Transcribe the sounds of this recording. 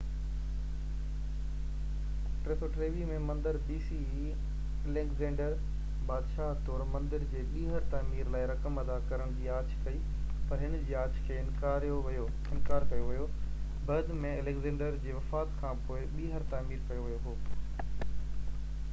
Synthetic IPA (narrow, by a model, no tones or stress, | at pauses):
ʈɾet̪oʈɾeːʋimẽmɐ̃nd̪əɾbiːsii | eleːkzẽːɳɖəɾ | baːd̪ʃaːɦt̪ɔːɾmɐ̃nd̪ɪɾd͡ʑeːɓiːɦəɾt̪aːmiːɾlaːɪɾɐkəmɐd̪akɐɾəɽ̃d͡ʑiːaːt͡ɕʰkɐi | pɐɾɦɪnd͡ʑiːaːt͡ɕʰkʰeːɪ̃nkaːɾijoʋjo | ɪ̃nkaːɾkɐjoʋɐjo | bɐd̪mẽɐleːkzẽːɳɖəɾd͡ʑeːʋɐfaːt̪kʰãːpoːɪɓiːɦəɾt̪aːmiːɾkɐjoʋijoɦoː